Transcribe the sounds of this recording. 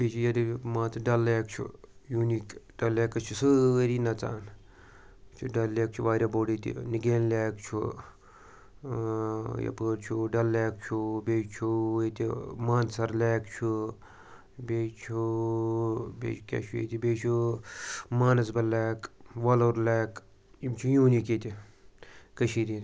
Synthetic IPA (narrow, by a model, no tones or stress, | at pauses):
bet͡ʃʰujɐd̪imãːt͡sɨɖɐlːeːkt͡ʃʰṵjunikɖɐlːeːkɐt͡ʃʰusɨɾinɐt͡sa̰ːn | t͡ʃʰuɖɐlːeːk̚t͡ʃʰuʋaːɾʲɐboːɽit̪ḭniɡeːnlʲaːkt͡ʃʰṵ | jɐ̰pəːɾt͡ʃʰuɖɐlːaːk̚t͡ʃʰubeːt͡ʃʰuwt̪ʲimaːnsɐɾleːkt͡ʃʰu | beːt͡ʃʰu | bḛːt͡ʃʰukʲa̰t͡ʃʰujḛːt̪ibeːt͡ʃʰu | maːnɐs̬bɐlːeːkʋaːloːɾleːk | imt͡ʃʰujũːnikeːt̪ʲi | kəʃiːɾin